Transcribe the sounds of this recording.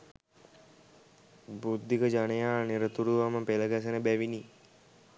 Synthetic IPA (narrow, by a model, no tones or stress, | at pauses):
bud̪ʱːikəd͡ʒanəjaːniɾət̪uɾuʋaməpeləɡas̬ənəbæʋini